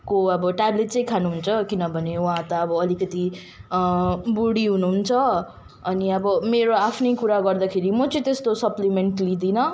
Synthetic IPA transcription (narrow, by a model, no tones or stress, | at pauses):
koʌbʌʈableʈt͡sʌj̃kʰanuɦunt͡sʰʌkinʌbʱʌnewɦãt̪ʌːbʌːlikʌt̪i | buɽiɦunuɦunt͡sʰʌ | ʌniʌbʌmeɾoapʰnejkuɾaɡʌrd̪akʰeɾimʌt͡sʌĩt̪est̪osʌplimeɳʈlid̪inʌ